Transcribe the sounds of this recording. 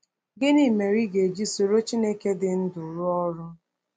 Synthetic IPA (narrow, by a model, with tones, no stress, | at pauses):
ɡɪ˦ni˦me˨ɾi˦ɡe˨d͡ʒi˦so˨ɾo˦t͡ʃi˦ne˦ke˦dɪ˨n̩˦dʊ˨ɾʊ˦ɔ˦ɾʊ˦